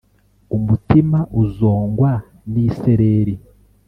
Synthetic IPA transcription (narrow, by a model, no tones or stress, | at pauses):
umutimaʔuzoːŋɡwa | niːseɾeɾi